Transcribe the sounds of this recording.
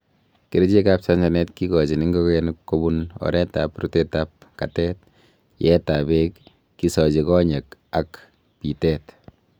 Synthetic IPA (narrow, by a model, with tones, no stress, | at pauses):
ke˨ɾi˦t͡ʃe˦ka˦p̚t͡ʃa˦ɲd͡ʒa˨nɛ˦tki˦kɔ˨t͡ʃi˨ni˦ŋɡɔ˦kɛnukko˦bunɔ̰˨ɾɛ˦tapɾutetap̚ka˨tɛt̚ | jɛta˨bekː | i˦sɔ˨t͡ʃi˨kɔ˦ɲe˨ka˨k | pi˨tɛt